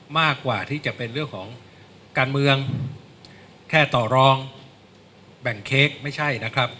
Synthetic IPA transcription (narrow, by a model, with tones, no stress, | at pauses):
maː˥˩kːwaː˨˩t̪ʰiː˥˩t͡ɕa˨˩pe˧nɾɯ˥˩əŋkʰɔː˩˦ŋ | kaː˧nmɯ˧əŋ | kʰɛː˥˩t̪ɔː˨˩ɾɔː˧ŋ | bɛ˨˩ŋkʰeː˦˥˩k̚ma˥˩jt͡ɕʰa˥˩jna˦˥kʰɾa˦˥p̚